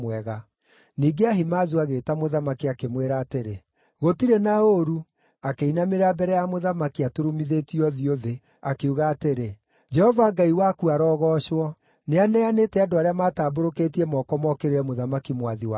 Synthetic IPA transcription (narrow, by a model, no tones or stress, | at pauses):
wɛɣa | niːɡeaɦimazuaɣeːtamoðamakiakemweɾaːteɾe | ɣotiɾenaoɾu | akeinameɾabɛɾɛjamoðamakiatoɾomiðetiɔðioðe | akeuɣaːteɾe | d͡ʒɛhɔvaɡaiwakuaɾɔːɣɔʃwɔ | neanɛanetɛadoaɾeamataːboɾoketiɛmɔkɔmɔkeɾeɾɛmoðamakimwaðiwa